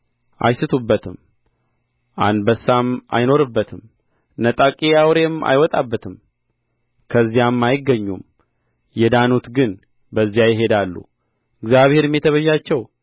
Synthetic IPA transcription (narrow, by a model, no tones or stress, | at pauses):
ʔa̰jsɨt̪ʰubːət̪ʰɨm | ʔa̰nd̪bəsːamʔa̰jno̞ɾɨbːət̪ʰɨm | nət̪ʼakʼijawɾe̞ma̰jwɔt̪ʼabːət̪ʰɨm | kʰəzːijamːajɪɡːəɲːum | jɛd̪anut̪ɡɨn | bəzːijajɪɦe̞d̪alːṵ | ɨɡzjaβhe̞ɾɨmjɛt̪ʰəβəʒːat͡ʃːɛw